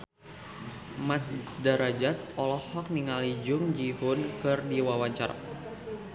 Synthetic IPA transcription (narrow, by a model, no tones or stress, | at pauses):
mat̪̚daɾad͡ʒat̪̚ɔlɔhɔk̚niŋalid͡ʒʊŋd͡ʒihʊnkɨrdiwawaɲt͡ʃaɾa̰